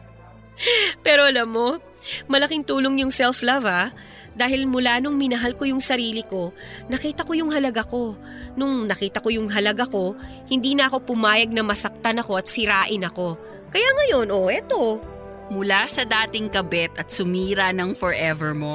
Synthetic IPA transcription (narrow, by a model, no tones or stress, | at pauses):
pɛːɾo̞ʔɐlamːo̞ | mɐlɐkɪŋt̪uːlo̞ŋjʊŋsɛlflɐvɐ | d̪aːhɪlmʊlanʊŋmɪnɐɦalko̞jʊŋsɐɾiːlɪko̞ | nɐkiːt̪ɐko̞jʊŋɦɐlɐɡako̞ | nʊŋnɐkiːt̪ɐko̞jʊŋɦɐlɐɡako̞ | hɪnd̪iːnɐʔɐko̞pʊmaːjɐɡ̚nɐmɐsɐk̚t̪ɐnɐko̞ʔɐt̪̚sɪɾaːʔɪnɐko̞ | kɐjaŋɐjo̞nʔoʔɛt̪o̞ | mʊlasɐd̪aːt̪ɪŋkɐbɛt̪ɐt̪̚sʊmiːɾɐnɐŋfɔɹʔɛvɛɹmo